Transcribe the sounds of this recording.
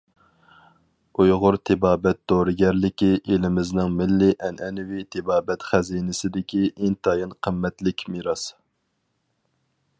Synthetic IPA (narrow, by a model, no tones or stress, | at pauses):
ujʁʊɾt̪ʰɪbɑːbɛt̪̚d̪oɾɨɡʲɛɾlɪkʲiʔelɪmɪznɪŋmɪlːɪʔɛnʔɛnwit̪ʰɪbɑːbɛt̪χæzinɪsɪd̪ɪkʲiʔent̪ʰɑjɑnqʰəmːɛt̪lɪkʲmiɾɑs